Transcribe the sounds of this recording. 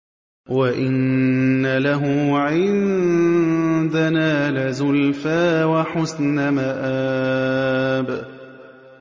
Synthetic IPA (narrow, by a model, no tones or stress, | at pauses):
waʔɪnnːalaɦʊʕɪn | d̪anaːlɪzʊlfaːwaħʊsnamaʔaː | b